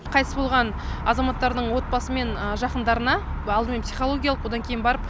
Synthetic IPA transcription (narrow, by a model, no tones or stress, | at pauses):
qʰɑjt̪əsbo̞lˠʁɑn | ɑzɑmɑt̪ːɑɾd̪əɴwo̞t̪̚bɑsəme̞nəʒɑqənd̪ɑɾənɑɑlˠd̪əme̞npsijχolˠo̞ɡʲijalˠəqwo̞d̪ɑŋkʲʰe̞jɪnbɑɾəp̚